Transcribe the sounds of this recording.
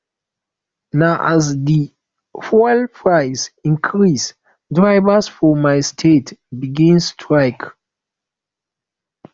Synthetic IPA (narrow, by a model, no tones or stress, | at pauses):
naʊʔa̰zdi | fɔlpʰɹaɪsĩnkʰɹis | dɹaɪvəsfɔmaɪstʰetbiɡĩnstʰɹaɪk